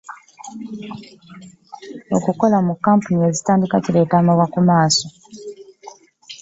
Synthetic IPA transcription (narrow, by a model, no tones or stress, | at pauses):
okuko̞lamukːaːmpunie̞zitaːndikaciɾe̞ːtaːmawakumaːso̞